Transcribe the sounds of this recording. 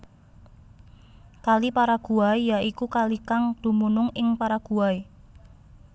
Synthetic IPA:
kalipaɾaɡ̥uaijaʔikukalikaŋd̪̥ṳmunʊŋɪŋpaɾaɡ̥ṳae

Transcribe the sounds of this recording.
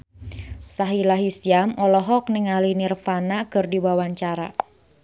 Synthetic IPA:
saɦilaɦisiamɔlɔɦɔk̚nɪŋalinirfanakɨrdibawaɲt͡ʃaɾa̰

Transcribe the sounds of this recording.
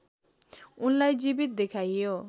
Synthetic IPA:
unlajd͡zibit̪̚d̪ekʰajjo

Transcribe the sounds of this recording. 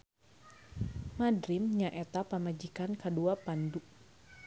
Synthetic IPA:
madɾimɲaʔɛt̪apəmad͡ʒikankəduapanduʔ

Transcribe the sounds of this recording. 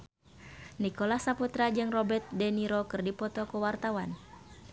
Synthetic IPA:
nikɔlahsaput̪ɾad͡ʒɨŋrɔbɛrt̪̚dɛniɾɔkɨrdipɔt̪ɔkuwart̪awan

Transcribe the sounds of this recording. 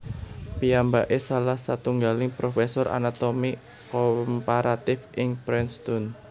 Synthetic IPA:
piambaʔesalahsat̪uŋɡalɪŋpɾofɛsɔɾʔa̰nat̪omi | kɔmpaɾat̪ɪfɪŋpɾɛnst̪ʊn

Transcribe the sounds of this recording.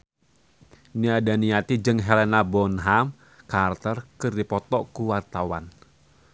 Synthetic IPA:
niadaniat̪id͡ʒɨŋɦɛlɛnabɔnɦam | kart̪ərkɨrdipɔt̪ɔkuwart̪awa̰n

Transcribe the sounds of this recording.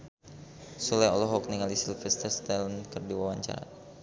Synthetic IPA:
sulɛɔlɔɦɔk̚niŋalisilfɛst̪əst̪ɛlnkərdiwawaɲt͡ʃa̰ɾa̰

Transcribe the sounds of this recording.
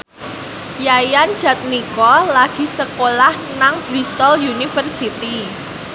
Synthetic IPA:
jajan̥d͡ʒ̥a̤t̪̚nikɔlaɡ̥i̤səkolah | naŋb̥ɾist̪ɔljunifərsit̪i

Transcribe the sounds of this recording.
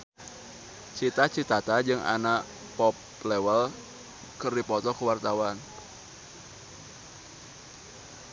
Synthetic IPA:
t͡ʃit̪at͡ʃit̪at̪ad͡ʒɨŋʔa̰naʔ | pɔp | lewəl | kərdipɔt̪ɔkəwart̪awan

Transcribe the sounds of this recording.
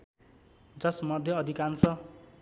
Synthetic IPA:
d͡zʌsmʌd̪ʱjʌːd̪ʱikansʰʌ

